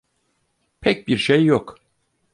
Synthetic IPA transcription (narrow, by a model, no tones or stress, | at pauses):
pʰɛc̚biɾʃejːok